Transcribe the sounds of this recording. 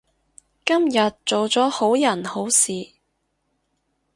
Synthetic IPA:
kɐ˥mjɐ˨t̚t͡ʃo˨wt͡sɔː˨˥ho˨˥wjɐ˨˩nho˨˥wsiː˨

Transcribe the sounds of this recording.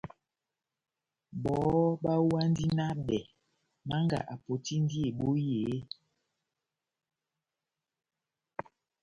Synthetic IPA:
bɔ˨˦ɓa˦wa˦n˦di˦na˦bɛ˨ | ma˦ŋɡa̰˨ʔa˨po˨ti˦n˦di˦e˨ɓo˦jeː˨˦

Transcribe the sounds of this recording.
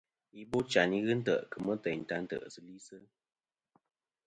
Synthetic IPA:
i˦bo˦t͡ʃa˨ni˦ɣɨ˦n̩˦tə̰˦˨ʔkə˨mə˦tɛ˨jn̩˨ta˦n̩˦tə̰˨ʔsɨ˨˦li˦sə˦

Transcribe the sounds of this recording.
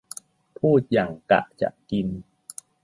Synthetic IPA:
p̪ʰuː˥˩t̪̚jaː˨˩ŋka̰˨˩ʔt͡ɕa̰˨˩ʔki˧n

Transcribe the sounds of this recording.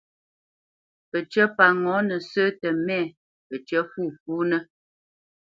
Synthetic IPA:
pə˨t͡ʃə˦pa˨ŋɔ̃˨˦nə˨sə˦tə˨mɛ˦˨ | pə˨t͡ʃə˦fu˦˨fu˦nə˦

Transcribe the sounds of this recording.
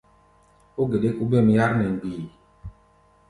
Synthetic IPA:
o˦ɡe˨de˦ku˦be˦˨mi˦ja˦ɾmɛ˨ŋ˨ɡiː˨

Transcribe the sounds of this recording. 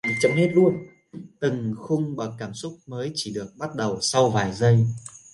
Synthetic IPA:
t͡ɕə˨˦wŋ͡mi˦˥t̚lu˧ən | t̪ɨ˨˩ŋxʊ˧wŋ͡mɓa˨˩kːaː˧˩msʊ˦˥k͡p̚məː˨˦jt͡ɕi˧˩ɗɨ˨˩ək̚ɓa˦˥t̚ɗə˨˩wsa˧wvaː˨˩jzə˧j

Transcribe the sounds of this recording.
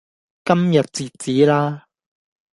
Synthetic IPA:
kɐ˥mjɐ˨t̚t͡siː˨˩t̚t͡siː˨˥laː˥

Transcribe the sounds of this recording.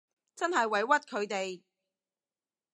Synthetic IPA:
t͡sɐ˥nɦɐ˨jwɐ˨˥jwɐ˥t̚kʰɵ˨˧ɥt̪e˨j

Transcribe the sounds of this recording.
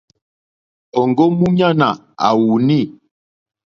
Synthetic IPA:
ɔ˨ŋɡɔ˦mu˦ɲa˦na˨ | a̰˨wu˨ni˦˨

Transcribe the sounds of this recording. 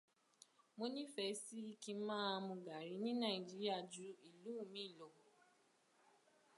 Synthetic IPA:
mo˧nĩ˦fɛ˧˦ssi˦ki˧˦mãː˦˧mũ˧ɡa˨ɾi˨˦nĩ˦nã˦˨i˨d͡ʒi˦ɾi˦a˦˨d͡ʒu˨˦i˦˨lu˨˦˨mĩ˦i˦˨lo˨˧ɡo˨

